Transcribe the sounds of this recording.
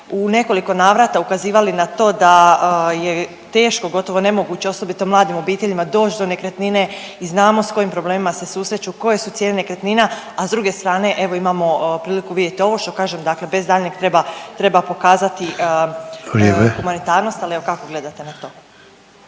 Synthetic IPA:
une̞ko̞liko̞naːʋɾat̪aukaziːʋalinat̪o̞ːd̪aje | t̪e̞ːʃko̞ɡo̞t̪o̞ʋo̞ne̞moɡuːt͡ɕe̞o̞so̞bit̪omlˠaːd̪imo̞biːt̪eʎimad̪o̞ːt͡ʃd̪one̞kɾet̪nine̞ | iznaːmo̞sko̞jimpɾo̞ble̞ːmimase̞suːsɾe̞t͡ɕuko̞je̞sut̪sjenenekɾet̪nina | azd̪ɾuɡe̞st̪ɾaːne̞ʔe̞ʋo̞imamo̞pɾiːlikuʋid̪ʲjet̪io̞ʋo̞ʃt̪o̞kaːʒemd̪aːkle̞be̞zd̪aːʎnekt̪ɾebat̪ɾe̞bapo̞kaːzat̪i | ɾibexumanit̪aːɾnost̪alieʋokako̞ɡle̞d̪at̪enat̪o̞ː

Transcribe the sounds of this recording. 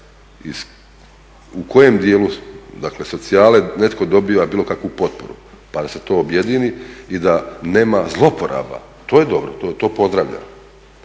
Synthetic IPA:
is | ukʰo̞je̞md̪jeːlud̪akle̞so̞t̪siaːlene̞t̪kod̪o̞biːʋabiːlo̞kakʋupo̞t̪̚po̞̰ɾṵ | pad̪ase̞t̪o̞ːobje̞d̪iniid̪ane̞ːmazlˠo̞po̞ɾa̰ba̰ | t̪o̞ːje̞d̪o̞bɾot̪ot̪o̞ːpo̞zd̪ɾaʋʎa̰no

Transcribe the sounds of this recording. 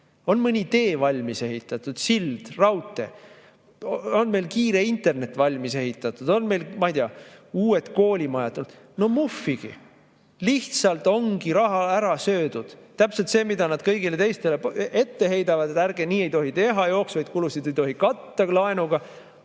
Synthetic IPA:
o̞nmɤnʲit̪e̞ːvɑlʲmise̞ɦit̪ːˑɑt̪ːˑud̪̥sild̪̥rɑwt̪ˑːe̞̰ | o̞nme̞jlkiːɾe̞int̪e̞rne̞t̪ːˑvɑlʲmise̞ɦit̪ːˑɑt̪ˑud̪̥o̞nme̞jlmɑjd̪iɑuːe̞t̪ko̞ːlʲimɑjɑt̪ːˑult̪ | no̞mufːiɡ̥i | liht̪sɑlt̪ˑo̞ŋɡ̥iɾɑɦɑæɾɑsø̞ːd̪ud̪̥t̪ːæpse̞lt̪seːmid̪ɑnɑd̪̥̚kɤjɡile̞t̪e̞jst̪e̞lee̞t̪ːe̞ɦe̞jd̪ɑvɑd̪et̪ærɡ̥eniːe̞jt̪o̞ɦit̪e̞ɦɑjo̞ːksvɑjd̪kulusid̪ejt̪o̞ɦikɑt̪ːɑlɑenuɡ̥ɑ

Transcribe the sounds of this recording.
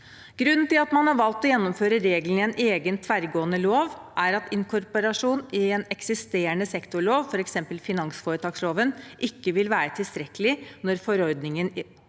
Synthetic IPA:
ɡ̥ɾʉnːn̩t̪ɪlɑt̪mɑnhɑɾʋɑlt̪ɔjɛnːʊmføːɾəɾeːɡln̩ɪɛnʔeːɡənt̪ʰʋæɾɡoːənəloːʋʔæɾɑt̪ɪnkʰʊɾpɔɾɑʂuːnɪɛnɛksɪst̪eːəɳəsɛkt̪ʊɭoːʋfɔɾɛksɛmpəlfɪnɑŋsfoːɾət̪ʰɑːksloːʋənʔɪkːəʋɪlʋæːɾət̪ʰɪlst̪ɾɛkːəlɪnɔɾfɔɾɔɾd̪nɪŋən

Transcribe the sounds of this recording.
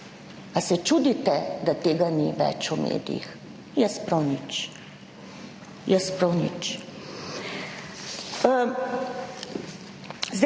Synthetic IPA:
asɛt͡ʃud̪it̪ɛd̪at̪eːɡaniʋɛ̰t͡ʃumḛːd̪jḭx | jɛspɾɔwnit͡ʃ | jɛspɾɔwnit͡ʃ | zd̪

